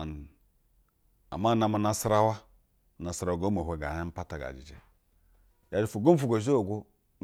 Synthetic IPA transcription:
n˨ | a̰˨ma˦˨na˨ma˨na˨sɾa˦wa˦˨ | na˨sɾa˨wɡo˦mo˨ɦʷe˨ɡa˨˦a˦m̩˦pa˦ta˨ɡa̰˨d͡ʒḭ˨d͡ʒḛ˨ | ja˨˦d͡ʒi˦fu˨ɡo˦m˦fu˨ɡo˨ʒo˦˨ɡʷu˦

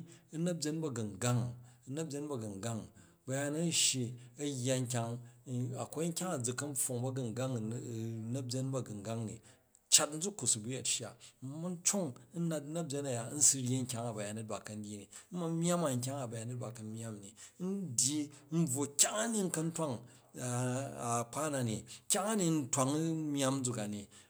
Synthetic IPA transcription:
nɐ˦b̚d͡ʒʲe˦nbɐ˦ɡɐ˨ŋ˨ɡa˦ŋ˦nɐ˦b̚bʲe˦nbɐ˦˨ɡɐ˨ŋ˨ɡa˦ŋ | bɐ˨ja˦nɐ˦n̩˦ʃji˨ɐ˦jːa˨ŋ̩˦k̬ʲa˨ŋa˨ko˦ŋ̩˦kʲa˦ŋɐ˨d͡zu˨kːɐ˦m˦ɸo˨ŋbɐ˦ɡɐ˨ŋ˨ɡa˦ŋ˨˦˨nɐ˦bʲe˦nbɐ˦˨ɡɐ˨ŋɡa˦ŋnḭ˨ | t͡ʃa˦tn̩˦d͡zu˦kːu˨su˨bu˦ja˨tʃa˨˦mu˦n̩˦t͡ʃo˦ŋn̩˦na˨t̚nɐ˦bʲje˦na˨ja˨˦n̩˦su˦ɾʲji˦ŋ̩˦kʲa˦ŋa˨ba˨ja˨ni˦t̚ba˨kɐ˨n̩˦dʲi˦ni˨n̩˦ma˦mʲ˦a˦ma˨ŋ̩˨k̬ʲa˦ŋa˨ba˨ja˨ni˦t̚ba˨kɐ˨mʲ˦a˦mni˨˦n̩˦dʲji˦n̩˦b͡vwo˨kʲa˦ŋa˦ni˦n̩˦kɐ˦n̩˦twa˦ŋ˨ | a˨k͡pa˦na˨ni˨kʲa˦ŋa˦ni˨n̩˦twa˨ŋ˦mʲ˦a˦m˦d͡zu˨ka˨ni˨

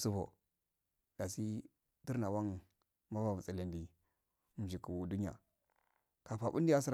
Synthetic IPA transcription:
su˦fo̰˨ | d̥a˨si˦ | di˦ɾna˨wa˦ŋ | ma˦va˦˨m˨t͡si˨li˨ndi˨ | m̩˨d͡ʒi˨ku˨wu˨du˦ɲ˦ja̰˨ | ka˨pa˨bṵ˦nda˦si˦ɾ

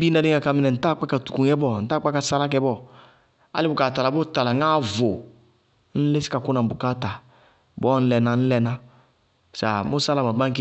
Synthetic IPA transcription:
bi˦na˧de˦ŋa˨ka˨mi˨nɛ˨n̩˨ta˦˨˦k͡pa˦ka˨tu̥˨ku˨ɲɛ˦bɔ˦˨n̩˨ta˦k͡pa˦ka˨sa˦la˦k̬ɛ˧˦bɔ˦ | a̰˦lɪ˦bʊ˨ka˨ta˨la˨˦bɔ˦ta˨la˨ŋa˦˨vo˨ | n̩˦le˦si̥˦ka˨ku˦na˨bu˨ka˦˨ta˨ | bɔ˦n̩˦lɛ˨na˨n̩˦lɛ˧na˦ | sa˨mu˦sa˦la˨ma˨ba˦ŋ˦k

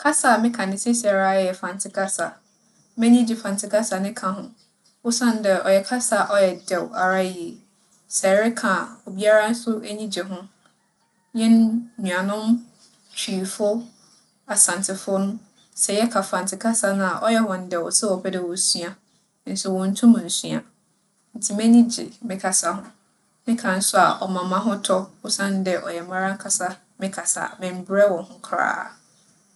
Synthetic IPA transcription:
kʰa˦sa˨mɪ̃˦kʰã˨nɪ̃˨sɪ˦sa˨ɾa˦jɛ˦jɛ˨fã˨ntʰɪ˨˦kʰa˦sa˨ | mɛ̃˦ɲĩ˦d͡ʑɪ˨fã˨n˨tʰɪ˨kʰa˦sa˨nɪ̃˦kʰã˨ɦʊ̃˦ | wʊ˦sã˦n˦dɛ˨ʔɔ̰˨jɛ˨kʰa˦sa˨ʔɔ˦jɛ˨dɛ˨wa˨ɾa˦˨ji˨e˨ | sɛ˨˦ɾɪ˦kʰã˨o˨bi˦a˦ɾa˦n̩˦sʊ˦ʔæ˦ɲĩ˦d͡ʑɛ˨ɦʊ̃˦ | jɛ˦nɲũ˨ã˨nʊ̃˦m | t͡ɕʰᶣi˨fʊ˦ | a˨sã˨n˨tʰɪ˨fʊ˦nʊ̃˦ | sɛ˨jɛ˦kʰa˨fã˨n̩˨tʰɪ˨kʰa˦sa˦nʊ̃˦a˨ʔɔ˦jɛ˦wɔ̃˨n̩˨dɛ˨wɔ˨sɛ˦ɔ˨bʰɛ˦dɛ˨wɔ˨sɥa˦ | n̩˦sʊ˨wɔ̃˨n̩˦tʰũ˦mʊ̃˨n̩˨su˦a̰˨ | n̩˨tʰɪ˨mɛ̃˦ɲĩ˦d͡ʑɪ̰˨mɪ̃˦kʰa˨sa˨ɦʊ̃˦ | mɪ̃˦kʰã˨n̩˨˦sʊ˦a̰˨ʔɔ˨mã˨mã˦ɦʊ̃˦tʰɔ˦wʊ˦sã˦n˦dɛ˨ʔɔ̰˨jɛ˨mã˦ɾã˦ŋ̩˦kʰa˨sa˦ | mɪ̃˦kʰa˨sa̰˨mɪ̃˨m̩˨bɾɛ˦wɔ̃˨hʊ̃˦kʰɾa̰ː˦

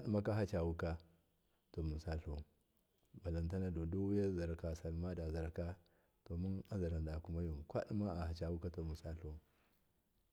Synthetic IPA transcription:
a˦ɗi˦ma˦ka˦ɦa˦t͡ʃa˨wu˦ka˦ | to˨mu˨sa˦ɬo˦˨ | ba˨la˨nta˦na˦do˨do˦wja˦za˨ɾka˨sa˨lma˦da˨za˨ɾka˦ | to˨mu˦na˦za˨ɾa˨nda˨ku˦ma˦jo˨mkʷa˦ɗi˦ma˦a˨ha˨t͡ʃa˨wu˦ka˦to˨mu˨sa˦ɬo˦

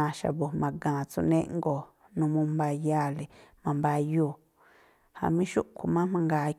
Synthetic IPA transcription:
ã˧ʃa̰˨βo˨mã˧ɡãː˨t͡sṵ˧nẽ˦˧ʔŋɡo˨ | nũ˧mũ˧mba˧ja˦˧˨le˨mã˧mba˧juː˧˨ | ha̰˧˨mĩ˦ʃṵ˦ʔkʰu˨mã˦mã˧ŋɡa˧˨˧

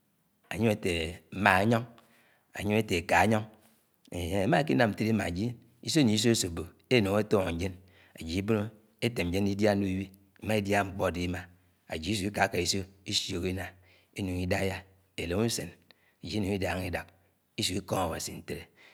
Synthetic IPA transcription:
a̰˨ɲo˦e˦te˨m̩˨˦ma˨a˦ɲɔ˦ŋ | a̰˨ɲo˦me˦te˨ka˨˦ɲɔ˦ŋ | e˨˦e˨˦ma˦e˦ki˦na˨mn̩˨te˦ɾi˦ma̰˨d͡ʒi˦ | i˦so˦ɲi˨˦i˦s̬o˦e˦so˨bo˨ | e˦no˨ŋ˦e˦to˦˨d͡ʒe˦n | a̰˨d͡ʒi˨i˦bo˦no˦ | e˦te˨m̩˦d͡ʒe˦ni˦da˦nu˦i˦wi˦ | ma˦i˦dja˦˨ŋ͡m̩˨k͡pɔ˦˨di˦ma˨ | a̰˨d͡ʒi˨˦i˦s̬u˨˦i˦ka˨˦ka˨i˦so˦i˦sjo˨ki˦na˨ | e˦nu˨ŋi˦da˦ja˦ | e˨lo˨ŋu˦se˨n | a˨d͡ʒi˦e˦nu˨ŋi˦da˨˦ŋi˦da˨k̚ | i˦su˨˦i˦ko˦ŋa˨wa˨si˨n̩˨te˦ɾe˦

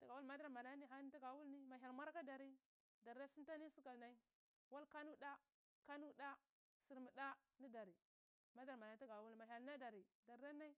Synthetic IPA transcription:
ta˨ɡa˨wu˦lma˦da˦ɾma˨na˦ni˦ɦa˦ni˦ta˦ɡa˨wu˦lni˦ma˨ɦa˨lma˦ɾka˦da˨ɾi˦ | da˨ɾa˦si˦ta˦ni˦si˦ka˨lna˦i˦ | wa˦lka˦nu˦da˦ | ka˦nu˦ɗa˦ | si˨ɾmi˨da˦ | ni˦da˨ɾi˨ | ma˦da˦ɾma˨na˨˦ta˦ɡa˨wu˦lma˨ɦa˨lna˦da˨ɾi˨da˨ɾːa˦na˦i˦

